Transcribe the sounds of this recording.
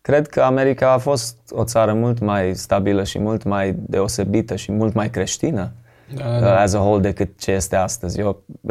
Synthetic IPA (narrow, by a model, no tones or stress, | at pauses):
kɾe̞d̪kʰəame̞ɾikaːfo̞st̪o̞t̪saɾəmult̪majst̪abiləʃḭmult̪majd̪e̞o̞se̞bit̪əʃimult̪majkɾe̞ʃt̪inə | azəɦold̪e̞kɨt̪̚t͡ʃe̞je̞st̪e̞ast̪əzʲjo